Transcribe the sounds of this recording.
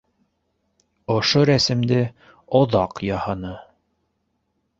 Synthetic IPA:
ŏʃoɾæsɘ̆md̪ɘ | ŏðɑqjɑhɑnɤ

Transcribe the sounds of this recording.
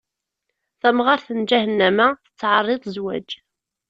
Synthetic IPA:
θæmʁaɾθənd͡ʒæhənːæmæθə̥t͡sːʕərˤːɪðˤzwæ̰d͡ʒ

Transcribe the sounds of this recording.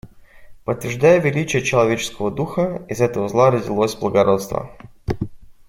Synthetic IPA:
pət̪vʲɪʐd̪ajʊvʲɪlʲit͡ɕɪjət͡ɕɪlˠɐvʲet͡ɕɪ̥skəvəd̪uxəizɛt̪əvəzlˠaɾədʲɪlˠosʲblˠəɡɐɾo̞t̪st̪və̰

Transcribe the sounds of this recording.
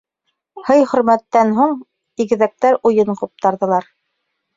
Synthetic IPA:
hɤjχɵ̆ɾmæt̪ːænɦuɴ | iɡɘ̆ðæk̚t̪æɾujɤɴqup̚t̪ɑɾðɤ̆lˠɑɾ

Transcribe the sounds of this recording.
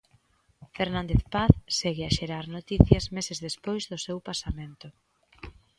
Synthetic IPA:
feɾnãnd̪eθpaθsɛɣeaʃeɾaɾnot̪iθjɐzmesezðespojzðʊsewpasamẽnt̪ʊ

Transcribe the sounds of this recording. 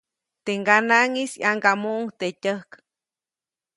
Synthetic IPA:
t̪eŋɡanaŋisiʔaŋɡamoŋt̪etʲəhk

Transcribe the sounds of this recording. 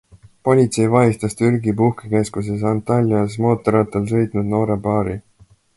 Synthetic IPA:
po̞lʲit̪se̞jvɑɦist̪ɑst̪yɾɡipuhkeke̞skus̬esɑnt̪ˑːɑlʲiɑsmo̞ːt̪ːˑoɾɑt̪ːˑelsɤ̞jt̪nud̪̥no̞ːɾepɑːɾi

